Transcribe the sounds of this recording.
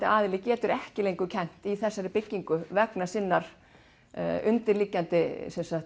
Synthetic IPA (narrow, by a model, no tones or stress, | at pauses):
t̪aaːðɪlɪcɛːt̪ʏɾɛhcɪlejŋkʏcʰɛn̥t̪iθɛsːaɾɪpɪcːiŋkʏvɛknasɪnːaɾ̥ | ʏnt̪ɪɾliːcant̪ɪsɛnsaxt̪